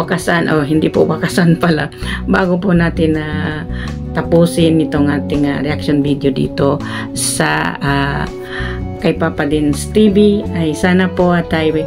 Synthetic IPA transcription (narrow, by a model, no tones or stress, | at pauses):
wakasanʔoɦɪnd̪ipʊ̰wakasanpɐla̰baːɡop̬ʊnaːt̪ɪna | t̪ɐpuːsɪnːɪt̪oŋʔaːt̪ɪŋaɾɛʔakʃonbid̪jod̪ḭːt̪o | sɐa | kɐjpaːpɐd̪ɪnst̪ibɪʔajsaːnapoʔat̪aj